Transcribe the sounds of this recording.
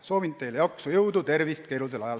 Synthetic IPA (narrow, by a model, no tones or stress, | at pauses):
so̞ːvint̪ejljɑksujɤwd̪ut̪e̞rvist̪̚kejlut̪elɑjɑl